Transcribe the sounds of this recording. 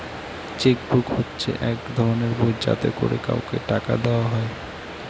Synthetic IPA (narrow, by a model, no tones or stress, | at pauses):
t͡ɕekbukhotːɕʰḛʔɛkd̪ʱɔɾoneɾbod͡ʑd͡ʑa̰t̪ḛkoɾeka̰okeʈaka̰d̪eoaɦɔe